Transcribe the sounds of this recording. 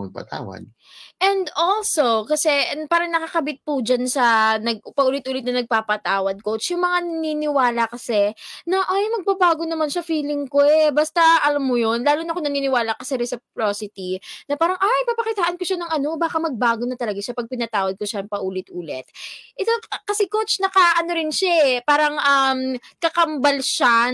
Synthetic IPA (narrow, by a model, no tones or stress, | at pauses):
mɐ̰ɡ̚pɐ̰t̪a̰ːwa̰d̪̚ | ʔɛnd̪olsokɐsɛpaːɾɐŋnɐkɐkɐbɪt̪̚pud͡ʒansɐnɐɡpɐʔuːlɪt̪̚ʔuːlɪt̪̚nɐnɐɡ̚papɐt̪aːwɐd̪̚kot͡ʃjʊŋmɐŋanɐninɪwaːlɐkɐsɛnɐʔajmɐɡ̚pabaːɡonɐmanʃɐfiːlɪŋkoɛbɐst̪ɐʔɐlamːojonlaːlʊnɐkonɐniːnɪwaːlɐkɐsɛɾɛsɪp̚ɾoːsɪt̪inɐpaːɾɐŋʔajpɐpɐkɪt̪aːʔɐnkoʃanɐŋɐno̞baːkɐmɐɡ̚baːɡonɐt̪ɐlɐɡɐʃapɐɡ̚pɪnɐt̪aːwɐd̪̚koʃaɐŋpɐʔuːlɪt̪̚ʔuːlɛ̰t̪̚ʔɛt̪okɐsɛkot͡ʃnɐkɐʔɐno̞ɾɪnʃaʔpaːɾɐŋʔɐmkɐkɐmbɐlʃa